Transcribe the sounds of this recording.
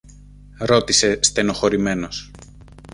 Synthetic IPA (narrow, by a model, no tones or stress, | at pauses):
ɾo̞t̪ise̞st̪e̞no̞xo̞ɾime̞nos